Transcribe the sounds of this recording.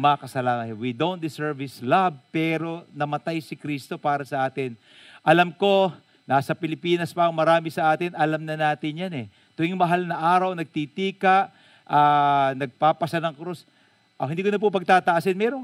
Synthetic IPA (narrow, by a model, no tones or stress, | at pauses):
mɐɐkɐsɐlaːnɐwid̪own̚d̪ɪsɛɹvɪslab̚pɛːɾo̞nɐmɐt̪ajsɪkɾist̪o̞paːɾɐsɐʔaːt̪ɪn | ʔɐlɐmko̞ | naːsɐpɪlɪpiːnɐspɐʔɐŋmɐɾaːmɪsɐʔaːt̪ɪnʔɐlɐmnɐnaːt̪ɪnjanɛ | t̪ʊʔɪŋmɐɦalnɐʔaːɾɐwnɐɡ̚t̪it̪iːkɐʔ | ʔaːnɐɡ̚paːpɐsɐnɐŋkɾus | ʔɐhɪnd̪iːkʊnɐp̬ʊpɐɡ̚t̪aːt̪ɐʔasɛnmɛːɾoŋ